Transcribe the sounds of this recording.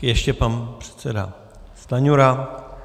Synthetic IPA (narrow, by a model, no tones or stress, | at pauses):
jɛʃcɛpanpr̝̥ɛ̥t̪sɛda̰ | st̪aɲuɾa